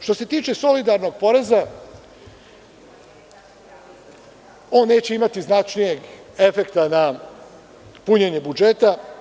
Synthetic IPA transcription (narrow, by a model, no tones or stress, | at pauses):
ʃt̪o̞se̞t̪iːt͡ʃeso̞lid̪aɾno̞ɡ̚po̞ɾe̞za | o̞ːnːe̞ːt͡ɕe̞imat̪iznat͡ʃnije̞ɡ | e̞fe̞kt̪ana | puɲe̞ɲe̞bud͡ʒe̞t̪a